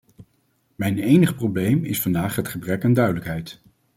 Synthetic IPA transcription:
mɛjnejnəχprowblejmɪ̰sfɑndaːχɦətχəbrɛkandœɥdələkɦɛjt

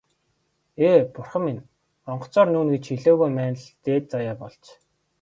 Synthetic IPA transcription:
eːpʊrχə̆mːin | ɔɴɢ̆ʰt͡sɔːrnuːnɡet͡ɕʰxiɮoːɣujmæːnə̆ɮt̪eːt̪̚t͡sajaːpɔɮt͡ɕ

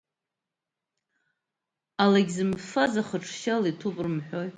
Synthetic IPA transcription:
alaɡʲzɨmfazaχəʈ͡ʂʰʃalitʰupʼrɨmħʷᶣo̞j

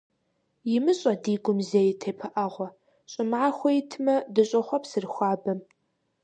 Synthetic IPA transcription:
jɪmɨɕʼɐdiːɡʷʊmzejtʰeːpʰɐʔaːʁʷɔ | ɕʼɪmaːxʷɔjtʰmɐdɨɕʼɐχʷɐpsɨrxʷaːbɐm

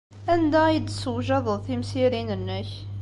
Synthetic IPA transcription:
ænd̪æid̪səwʒɑðˤəðˤθimsiɾinənːəç

